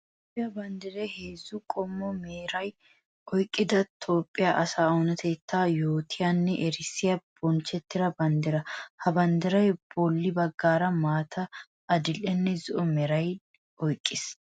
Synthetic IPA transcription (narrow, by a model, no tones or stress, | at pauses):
topʼːɪjɐbɐnd̪ɪɾɛheːzːʊkʼɔmːɔmeːɾɐj | ɔjkʼːɪd̪ɐt̪ʰo̞ːpʼːɪjaʔɐsaːɔnɐt̪ʰeːt̪ːaːjoːt̪ʰɪjanːɛʔɛɾɪsːɪjɐb̥ɔnt͡ʃːɛt̪ːɪɾɐbɐnd̪ɪɾɐhɐbɐnd̪ɪɾɐjb̥ɔlːɪbɐɡːaːɾɐmaːt̪ʰɐː | d̪ɪlɛnːɛzɪʔɔmɛɾɐj | ɔjkʼːɪs